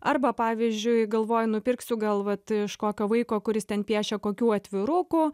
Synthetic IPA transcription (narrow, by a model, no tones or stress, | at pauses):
ɐrbɐpɑːʋʲizʲd͡ʒʲʊɪɡɐlˠʋoːjʊnʊpʲɪrksʲʊɡɐlˠʋɐt̪ɪʃkoːkʲoːʋɐɪkoːkʊɾʲɪst̪ʲɛnpʲiɛʃʲɛkoːkʲuːɐt̪ʲʋʲɪɾʊkʊ